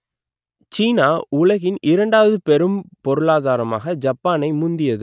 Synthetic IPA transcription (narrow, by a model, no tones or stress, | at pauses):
t͡ʃiːnaːʔʊlɐɣɪnʔɪɾɐɳɖaːʋɐðɯpɛɾɯmpɔɾɯɭaːðaːɾɐma̰ːɣɐd͡ʒɐpːaːnɐɪmʊnd̪ɪjɐðɯ